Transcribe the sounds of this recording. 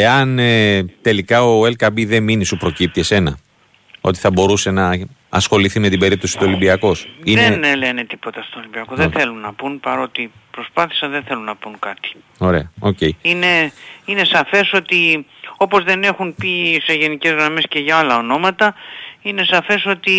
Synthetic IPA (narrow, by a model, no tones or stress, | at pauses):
eɐnet̪e̞likɐo̞elkɐbiðe̞minisupɾo̞cip̚t̪iese̞nɐ̰ | o̞t̪i̥θɐbo̞ɾuse̞nɐɐsxo̞liθime̞t̪ibe̞ɾip̚t̪osi̥t̪uo̞limbiɐko̞sinenle̞ne̞t̪i̥po̞t̪ɐst̪oːlimbiɐkoðeθe̞lunːɐpunpɐɾo̞t̪ipɾo̞spɐθi̥sɐnðenθe̞lunːɐpunkɐt̪i̥ | o̞ɾe̞̰ɐo̞ce̞iine̞ine̞sɐfe̞so̞t̪i | o̞po̞zðe̞ne̞xunpise̞ʝe̞nice̞zɣɾɐme̞sce̞ʝɐɐlɐo̞no̞mɐt̪ɐine̞sɐfe̞so̞t̪i